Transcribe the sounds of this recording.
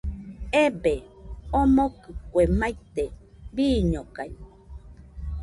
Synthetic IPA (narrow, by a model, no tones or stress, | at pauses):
ebe | omokɨkʷemajt̪e | biːɲokaj